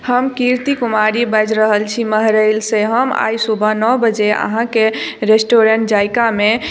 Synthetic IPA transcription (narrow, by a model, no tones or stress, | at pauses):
həmkiɾt̪ikumaɾibəd͡ʒɾəɦəlt͡ʃʰiməɦɾəlseɦəma̰jsubʱənɔbəd͡ʒeə̰ɦãkeɾesʈoɾəɳʈd͡ʒajkame